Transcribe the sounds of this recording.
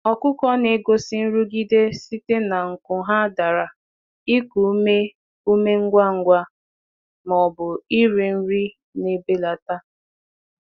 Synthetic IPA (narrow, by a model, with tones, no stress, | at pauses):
ɔ˨kʷʊ˦kɔ˦ne˨ɡo˦si˦n̩˦ɾu˦ɡi˦de˦si˦te˦na˨ŋ̩˨kʊ˨ɦa˦da˨ɾa˨ | i˦ku˨˦me˦ | u˦me˦ŋ̩˦ɡʷa˦ŋ̩˦ɡʷa˦ | mɔ˨bʊ˨i˦ɾe˨n̩˦ɾi˦ | ne˦be˦la˨ta˦